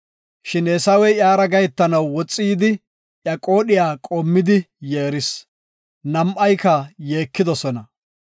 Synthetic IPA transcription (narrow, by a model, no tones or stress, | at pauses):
ʃɪnɛsɐwɛjjaːɾɐɡɐjɛt̪ːɐnɐwːɔt͡sʼːiːd̪ɪ | ʔjɐkʼo̞ːɗɪjaːkʼɔmːɪd̪ɪjeːɾɪs | nɐmʔɐjkɐje̞ːkːɪd̪ɔsɔnɐ